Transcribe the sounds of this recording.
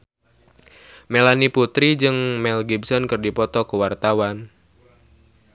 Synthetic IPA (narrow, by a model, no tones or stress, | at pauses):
melaniput̪ɾid͡ʒɨŋmɛlɡibsɔnkɨrdipɔt̪ɔkuwart̪awan